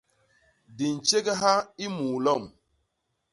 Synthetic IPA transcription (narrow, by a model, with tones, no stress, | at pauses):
di˨n̩˨t͡ʃe˦ɡɛ˦ɦa˦i˦muː˨lɔ˦˨m